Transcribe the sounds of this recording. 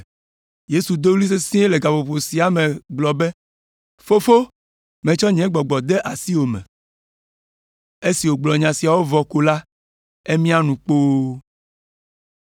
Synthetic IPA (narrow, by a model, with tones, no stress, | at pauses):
je˦su˨d̪o˦wli˦s̬e˦sĩ˦e˦le˨ɡa˨vo˨ɸo˨si˨a˨mẽ˨ɡ͡blɔ˨be˦ | fo˦fo˦ | mẽ˨t͡ʃɔ˦ɲɛ̃˨˦ɡ͡bɔ˨ɡ͡bɔ˨d̪e˦ʔa˨si˦wo˨mɛ̰̃˨ | e˦si˨wo˨ɡ͡blɔ˨ɲã˨si˨a˨wo˦vɔ˨ko˦la˦ | e˦mĩ˦a˦nũ˨k͡po˦